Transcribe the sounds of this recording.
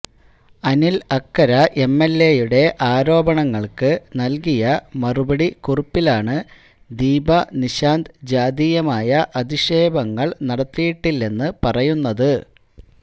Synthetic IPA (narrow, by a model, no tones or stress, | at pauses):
ɐnilɐkːɐɾɐʔe̞mːelːe̞juɽe̞ʔaːɾo̞ːbɐɳɐŋːɐɭkɨnɐlkijɐmɐrubɐɽikurɐpːilaːɳɨ | d̪iːbɐniɕaːnd̪d͡ʑaːd̪ijɐmaːjɐʔɐd̪iʂe̞ːbɐŋːɐɭnɐɽɐt̪ːijiʈːilːe̞nːɨpɐrɐjunːɐðɨ